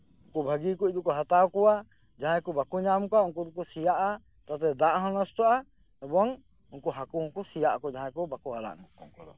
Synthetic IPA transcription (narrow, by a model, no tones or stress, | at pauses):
ukubʱaɡikuc̚d̪ukɔɦat̪awkɔwa | d͡ʒaɦãkubakuɲamkɔuŋkud̪ukusijaʔa | t̪at̪ɛd̪aʔɦɔnɔsʈɔʔa | ɛbɔŋ | uŋkuɦakuuŋkusijaʔakɔd͡ʒaɦãkɔbakuaɾa̰ʔnukɔ̰ŋkɔd̪ɔ̰